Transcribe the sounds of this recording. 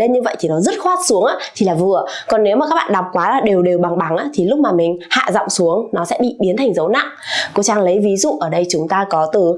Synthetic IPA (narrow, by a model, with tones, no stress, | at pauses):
le˧nɲɨ˧və̰˧˨jt̪ʰi˨˩nɔ˨˦zə˦˥t̚xwaː˦˥t̚su˨˦əŋʔaː˨˦t̪ʰi˨˩laː˨˩vɨ˨˩əkɔ˨˩nːe˨˦wmaː˨˩kaː˦˥k̚ɓa̰ː˧˨ɗa˨˩p̚kwaː˨˦laː˨˩ɗe˨˩wɗe˨˩wɓa˨˩ŋɓa˨˦ŋʔaː˨˦t̪ʰi˨˩lʊ˦˥k͡p̚maː˨˩mï˨˩ŋ̟ha̰ː˧˨zɔ̰˧˨wŋ͡msu˨˦əŋnɔ˨˦sɛ̰˧˥ɓḭ˧˨ɓi˨˦ənt̪ʰa˨˩jŋ̟zə˨˦wna̰˧˨ŋko˨˦t͡ɕaː˧ŋlə˨˦jvi˨˦zṵ˧˨ʔəː˧˩ɗə˧jt͡ɕʊ˨˦ŋ͡mt̪aː˧kɔ˨˦t̪ɨ˨˩